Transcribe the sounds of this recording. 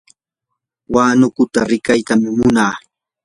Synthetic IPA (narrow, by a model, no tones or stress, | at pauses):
waːnʊkʊt̪aɾɪkajt̪amɪmʊnaː